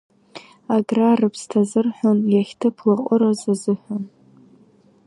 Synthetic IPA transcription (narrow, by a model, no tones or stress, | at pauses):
aɡrarɨpʰstʰazɨrħʷᶣʊnjaχʲtʰɨpʰlaqʼʊɾazazɨħʷʊn